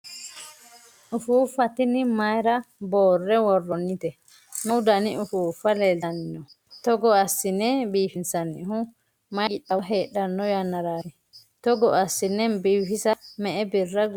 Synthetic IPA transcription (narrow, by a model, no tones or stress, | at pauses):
ʔufufatinimajɾabɔrːɛwɔrːɔnːitɛ | nɔwdaniufufalɛlaninɔ | tɔɡɔasːinɛbifinsanḭhu | maiɗaɦɛɗanːɔjanaɾaɾi | tɔɡɔasːinɛnbifisamɛːbirːaɡ